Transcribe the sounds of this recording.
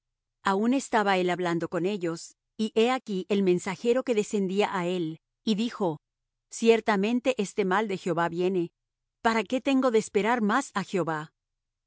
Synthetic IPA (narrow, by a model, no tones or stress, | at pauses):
aune̞st̪aβae̞laβland̪o̞ko̞ne̞ʝo̞s | iʔe̞akiʔe̞lmẽ̞nsaxe̞ɾo̞ke̞ðe̞se̞nd̪iaʔae̞l | iðixo̞ | sje̞ɾt̪amẽ̞nt̪e̞ʔest̪e̞mald̪e̞xjeo̞βaβje̞ne̞ | paɾake̞t̪e̞ŋɡo̞ðe̞ːspe̞ɾaɾmasaxjo̞βa